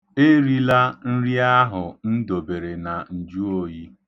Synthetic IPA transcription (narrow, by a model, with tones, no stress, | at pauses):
e˦ɾi˦la˦n̩˦ɾi˦a˦ɦʊ˨n̩˦do˨be˨ɾe˨na˨n̩˨d͡ʒu˦o˦˨ji˦